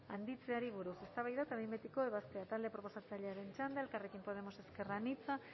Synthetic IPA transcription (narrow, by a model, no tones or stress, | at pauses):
and̪it͡seaɾiβuɾusest̪aβajðat̪aβembet̪ikoeβast̪eat̪ald̪epɾoposat͡saʎeaɾent͡ʃand̪elkarekimpoð̞emoseskeranit͡sa